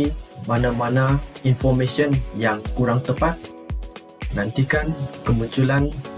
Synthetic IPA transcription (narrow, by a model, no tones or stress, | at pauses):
manamanainfɔrmesiɔnjaŋkuɾaŋt̪əpat̪̚ | nãnt̪ikankəmuɲt͡ʃulan